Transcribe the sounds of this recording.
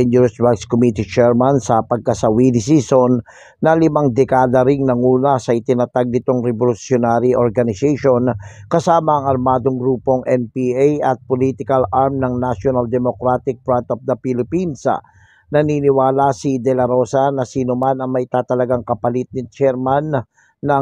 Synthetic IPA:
ɛnjuɾɪswakskomit̪it͡ʃɛɹmansɐpɐɡ̚kɐsɐwilɪsiːsonː | ɐlɪmaŋd̪ɛkaːd̪ɐɾɪŋnɐŋuːnɐsɐʔɪt̪ɪnɐt̪aɡ̚nɪt̪oŋɾɛbolʊsjonaɾiʔoɾɡɐnɪsejʃonkɐsaːmɐɐŋɐɾmaːd̪o̞ŋɡɾuːpo̞ŋʔɛnpiʔajɐt̪̚polit̪ɪkɐlʔaɹmnɐŋnaʃjonald̪ɛmokɾat̪ɪk̚bɾant̪ofd̪ɐpilɪpinsɐ̰ | nɐninɪwaːlɐsid̪ɛlɐɾo̞sanɐsiːnomanɐŋmɐʔɪt̪aːt̪ɐlɐɡaŋkɐpɐlɪt̪̚nɪt͡ʃɛɾmanː | ɐ

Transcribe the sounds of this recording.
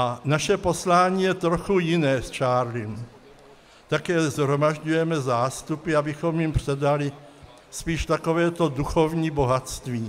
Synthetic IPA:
anaʃɛpo̞slaːɲiːjɛt̪ɾoxujɪnɛːst͡ʃaːɾlim | t̪akɛːzɦɾo̞maʒɟujɛmɛzaːst̪upɪabɪxo̞mjɪmpr̥ɛdalɪ | spiːʃt̪ako̞vɛːt̪o̞duxo̞vɲiːbo̞ɦat̪st̪viː

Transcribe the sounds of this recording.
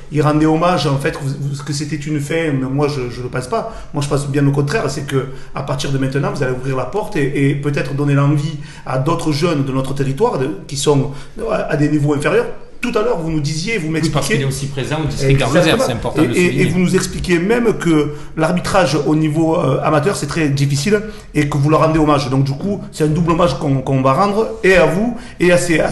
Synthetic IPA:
ilʁɑ̃d̪ɛɔmaʒɑ̃fɛt̪vuvuskəs̬et̪ɛt̪ynfɛ̃mɛmwaʒəʒələpɑ̃spa | mwaʒəpɑ̃sbjɛ̃nokɔ̃t̪χɛʁsɛkə | a̰paʁt̪iʁd̪əmɛ̃t̪ənɑ̃vuzaleuvʁiʁlapɔʁt̪eʔːpøt̪ɛt̪χəd̪ɔnelɑ̃vi | a̰d̪ɔt̪χəʒœnd̪ənɔt̪χət̪eʁit̪waʁd̪əkʲisɔ̃ad̪enivoɛ̃feʁjœʁ | t̪ut̪alœʁvunud̪izjevumɛksikeilɛosipχezɑ̃d̪iɛɡzakzəmãɛ̃pɔʁt̪eeevunuzɛksplikʲemɛmkə | laʁbit̪χaʒonivoøa̰mat̪œʁsɛt̪χɛd̪ifisil | ekəvulœʁːɑ̃d̪eɔmaʒd̪ɔ̃ŋk̚d̪ykusɛt̪ɛ̃nd̪ublɔmaʒkɔ̃kɔ̃vaʁɑ̃d̪ʁəeavu | easea

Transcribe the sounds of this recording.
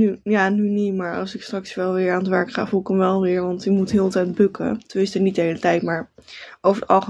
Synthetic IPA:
yjaːnynimaːɹɑ̰lˠsɪkstrɑksʋɛlˠʋɪːɹaːnətʋɛɹkχa̰ːvulˠɪkəmʋɛlˠʋɪːɹʋɑntimutɦɪːlˠtɛjt̚bɵkə̰tʋɪstənit̚dəɦejlətɛjtmaːɹowfəɹəɑ̰lˠχə

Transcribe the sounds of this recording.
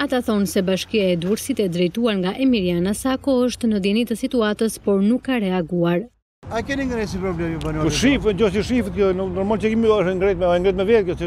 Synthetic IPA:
at̪aθɔnsɛbaʃkiaɛd̪uuɾsit̪ɛd̪ɾɛjt̪uaɾŋɡaʔɛmiɾianasakɔəʃt̪nəd̪ɛnit̪əsit̪uat̪əspɔɾnukːaɾɛaɡuaɾ | ajkɛnĩŋɡɾɛsipɾɔblɛmipanɔʃifcɔsiʃifət̪̚kɔnnɔɾmalt͡ʃɛkiməʃŋɡɾɛt̪̚mɛŋɡɾɛt̪mɛvɛt̪kjɔsi

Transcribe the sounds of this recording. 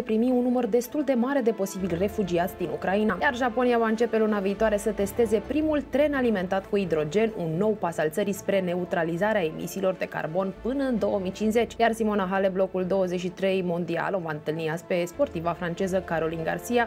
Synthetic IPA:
epɾimiunːumərd̪e̞st̪uld̪e̞maɾe̞d̪e̞po̞sibilʲre̞fud͡ʒiat̪sʲd̪inukɾainajarʒapo̞nijavaɨnt͡ʃe̞pe̞lunaviːt̪oaɾe̞sət̪e̞st̪e̞ze̞pɾimult̪ɾe̞nalime̞nt̪at̪kuid̪ɾo̞d͡ʒe̞nunːo̞wpasalt̪səɾispɾe̞ne̞ut̪ɾalizaɾeae̞mʔḭsiːlo̞rd̪e̞ka̰rbo̞npɨnəɨnd̪o̞əmit͡ʃinsze̞t͡ʃʲjarsimo̞naɦale̞blo̞kuld̪o̞wəzet͡ʃʃ̬it̪ɾe̞jmond̪ia̰lovaɨnt̪ɨlniaspe̞spo̞rt̪ivafɾant͡ʃe̞zəkaɾo̞linɡa̰rsia

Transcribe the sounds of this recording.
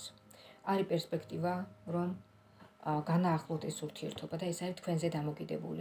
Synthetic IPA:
s | aɾipʼɛɾspʼɛkʰt̪ʼivaɾɔm | ɡanaːχlˠɔt̪ʰɛsuɾt̪ʰiɛɾt̪ʰɔbad̪aɛsaɾit̪kʰwɛnzɛd̪amɔkʼid̪ɛbṵli

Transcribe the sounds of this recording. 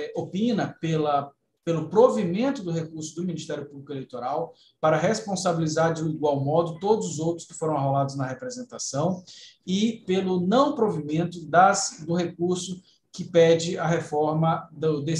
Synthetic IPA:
opĩnɐpelɐ | pelʊpɾovimẽnt̪ʊd̪ʊɦekuɾsʊd̪ʊminist̪ɛɾjʊpublikʊelejt̪oɾaw | paɾɐɦespõsabilizaɾdɪʊiɡwawmɔd̪ʊt̪od̪ʊzʊzowt̪ɾʊ̥skɪ̥foɾɐ̃w̃aɦolad̪ʊznɐɦepɾezẽnt̪asɐ̃w̃ɪpelʊnɐ̃w̃pɾovimẽnt̪ʊd̪ɐsd̪ʊɦekuɾsʊ | kɪpɛd͡ʒɪɐɦefɔɾmɐd̪ʊd̪e

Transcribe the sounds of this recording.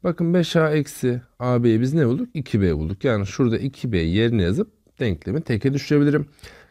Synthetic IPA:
b̥akɯnbɛʃaːɛcsiaːbejibiznebulˠd̪ukicʰibejbulˠd̪ukjaːniz̥ʃuɾd̪aʔicʰibejeɾinijazɯp̚ | d̪̥ɛɲclʲemit̪ʰecʰɛd̪yʃyɾe̞bilʲiɾim

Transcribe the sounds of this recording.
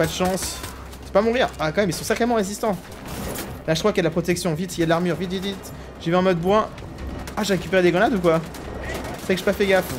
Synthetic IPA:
pad̪əʃɑ̃s | sɛ̥pamɔ̃ʁiʁbakɑ̃mɛmilsɔ̃sɛʁk̪ɛmɑ̃ʁezist̪ɑ̃ | laəkwakjad̪əlapχɔt̪ɛksjɔ̃vit̪jad̪əlaʁmyʁvit̪vit̪vit̪ | ʒ̥evɛɛ̃mɔd̪̚bwɛ̃ | aʒeʁekʲypeʁed̪eɡʁɔ̃nad̪ukwa | fɛkəʒepafɛɡaf

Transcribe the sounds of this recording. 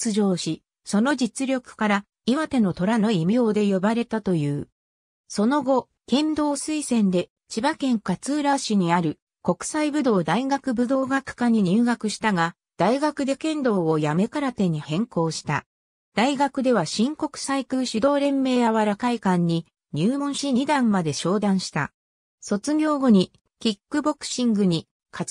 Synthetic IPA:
t͡sɨʑo̞ːɕi | so̞no̞d͡ʑit͡sɨɾʲo̞kɯ̟̥kaɾa | iβat̪e̞no̞t̪o̞ɾano̞imio̞ːd̪e̞jo̞baɾe̞t̪at̪o̞jɯ̟ː | so̞no̞ɡo̞ | kẽ̞nd̪o̞ːsɨisẽ̞nd̪e̞ | t͡ɕibakẽ̞ŋkat͡sɨːɾaɕiɲ̟iaɾɯ̟ | ko̞kɯ̟̥saibɯ̟d̪o̞ːd̪aiɡakɯ̟bɯd̪o̞ːɡakɯ̟̥kaɲ̟iɲ̟ɯːɡakɯ̟ɕi̥t̪aɡa | d̪̥aiɡakɯ̟d̪e̞kẽ̞nd̪o̞ːojame̞kaɾat̪e̞ɲ̟ːihẽ̞ŋko̞ːɕi̥t̪a̰ | d̪̥aiɡakɯ̟d̪e̞βaɕĩŋko̞kɯ̟̥saikɯ̟ːɕid̪o̞ːɾẽ̞mːe̞ːjaβaɾakaikãɲ̟ːi | ɲ̟ɨːmõ̞ɰ̃ɕiɲid̪ãmːad̪e̞ɕo̞ːd̪ãɰ̃ɕi̥t̪a̰ | so̞t͡sɨɡʲo̞ːɡo̞ɲ̟i | kʲikːɯ̟bo̞kɯ̥ɕĩŋɡɯ̟ɲ̟i | kʰa

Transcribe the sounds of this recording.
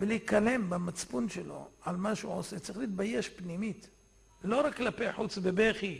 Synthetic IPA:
belikale̞mbamat͡spunʃelo̞̰ʕalmaʃeṵʕoset͡sɐʁiχlit̪̚baje̞ʃpnimit̪ | lo̞ɾakːlapejħut͡sbebeχi

